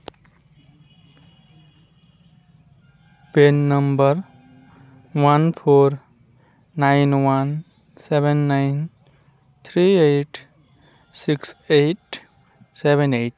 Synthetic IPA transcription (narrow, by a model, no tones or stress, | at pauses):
penːəmbəɾ | wanpʰoɾ | naɪnwan | sebenːaɪn | t̪ʰɾieʈ | sikseʈ | sebeneʈ